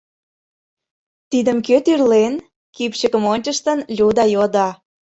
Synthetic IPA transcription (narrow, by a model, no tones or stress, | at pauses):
t̪id̪əmkøt̪yrlen | kipɕə̆kə̆monʲt͡ɕəʃt̪ə̆nlʲud̪ɑjod̪ɑ